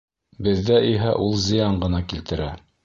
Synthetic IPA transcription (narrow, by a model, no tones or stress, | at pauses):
bɘ̆ðːæʔiɦæʔulˠzɤ̆jɑɴɢɤ̆nɑkilt̪ɘ̆ɾæ